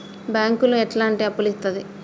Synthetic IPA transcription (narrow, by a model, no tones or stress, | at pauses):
bjaːŋkuluɛʈlaːɳʈiɐpːulist̪ɐd̪i